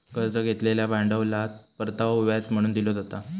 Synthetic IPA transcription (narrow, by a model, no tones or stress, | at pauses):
kəɾt͡səɡʱet̪leljabaɳɖəʋlat̪̚pəɾt̪aʋauʋjat͡sm̤əɽ̃uːnd̪ilod͡zat̪a